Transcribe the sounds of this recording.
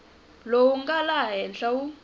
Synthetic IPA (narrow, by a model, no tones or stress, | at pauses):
lowuŋɡalaɦɛnɬawu